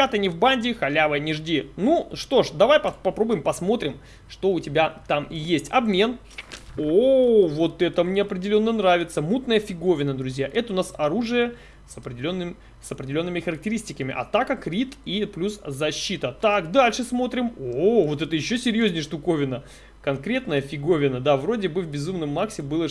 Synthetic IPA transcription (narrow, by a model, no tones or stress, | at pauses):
at̪ənʲɪvbanʲdʲɪxɐlʲavəjənʲɪʐdʲinuʂt̪o̞ʂd̪ɐvajpɐpɐpɾo̞bʊjɪmpɐsmo̞t̪ɾʲɪm | ʂt̪o̞ʊtʲɪbʲat̪amɪjesʲtʲɐ̰bmʲe̞n | ovo̞t̪ɛt̪əmnʲeɐpɾʲɪdʲɪlʲo̞nːənɾavʲɪt̪səmut̪nəjəfʲɪɡo̞vʲɪnəd̪ɾʊzʲjaʔɛt̪əʊnasɐɾuʐɨjə | səpɾʲɪdʲɪlʲonːɨm | səpɾʲɪdʲɪlʲo̞nːɨmʲɪxəɾək̚tʲɪɾʲisʲtʲɪkəmʲɪ̰ʔɐ̰t̪akəkɾʲit̪iplʲuszɐɕːit̪ət̪akd̪alʲʂɨsmo̞t̪ɾʲɪmovo̞t̪ɛt̪əjɪɕːosʲɪɾʲjozʲnʲɪjəʂt̪ʊko̞vʲɪnə | kɐnkɾʲe̞t̪̚nəjəfʲɪɡo̞vʲɪnəd̪avro̞dʲɪbɨvbʲɪzumnəmːaksʲɪbɨlˠə